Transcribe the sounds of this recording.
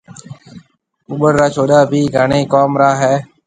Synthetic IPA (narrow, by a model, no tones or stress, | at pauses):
ʊɓəɾɾaːt͡ʃʰoːɗaːbiːɡʱaːɳeːkoːmɾaːɦɛː